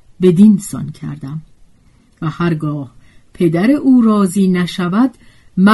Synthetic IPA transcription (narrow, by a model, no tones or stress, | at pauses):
be̞d̪insɒ̰ncʰæ̰ɾd̪æm | væhæɾɡɒːhpʰe̞d̪æɾeʔuːɾɒːziːnæʃævæd̪ | mæ